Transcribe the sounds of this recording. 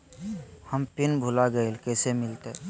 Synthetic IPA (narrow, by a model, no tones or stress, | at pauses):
həmpinbʱulaɡəelkɛsemɪlt̪e